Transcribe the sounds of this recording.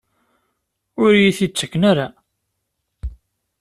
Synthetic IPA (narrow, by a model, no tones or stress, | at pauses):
ʊɾjiθit͡sːə̥kːnaɾa